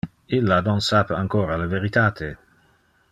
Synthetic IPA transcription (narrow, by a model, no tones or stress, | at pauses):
ilːanonsaːpeaŋkoːɾaleveɾit̪aːt̪ʰe